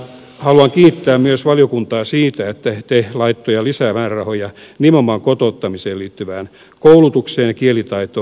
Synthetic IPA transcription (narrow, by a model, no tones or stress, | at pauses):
hɑluɑŋkiːt̪ːæːmmyøsʋɑljokunt̪ɑːsiːt̪æet̪ːæt̪ehlɑit̪ːojɑlisæːmæːrrɑhojɑnimomɑŋkot̪ot̪ːɑmiseːliːt̪ːyʋæːn | koulut̪ukseːnɑkielit̪ɑit̪o